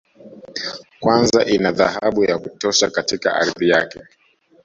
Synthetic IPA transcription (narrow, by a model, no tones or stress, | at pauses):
kwanzaʔinaðahaɓujakutɔʃakatika̰ʔaɾðijakɛ